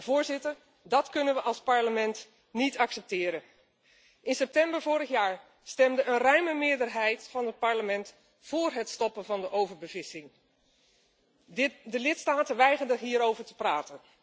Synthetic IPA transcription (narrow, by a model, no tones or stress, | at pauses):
v̥ʊːɹzɪtəɹ | dɑtkɵnənʋəʔɑlˠspɑɹləmɛnt | nitɑksɛp̚tɪːɾən | ʔɪnsɛp̚tɛmbəɹvʊːɾəχjaːɹ | stɛmdəənrœɥməmɪːɹdəɹɦɛjtfɑnɦət̚pɑɹləmɛnt | fʊːɹɦətstɔpənvɑndəʔowvəɹbəvɪsɪŋ | dəlɪtstaːtənʋɛjχəndəɦiːɾowvəɹtəpraːtən